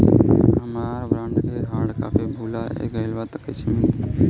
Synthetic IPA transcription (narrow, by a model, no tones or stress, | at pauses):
əmaːbɾãːnɖeɾɦaːɽka̰ːpebʱulaḛɡəjlʋat̪əket͡ʃʰĩː